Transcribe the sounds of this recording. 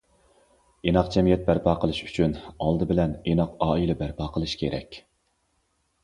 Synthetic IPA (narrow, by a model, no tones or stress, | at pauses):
enɑqd͡ʒɛmijɛt̪̚bæɾpʰɑːqʰəlˠɨʃy̥t͡ʃʰynɑlˠd̪ɨbɪlɛnenɑqɑːilɛbæɾpʰɑːqʰəlˠɨʃkʲʰeɾɛ̰kʲ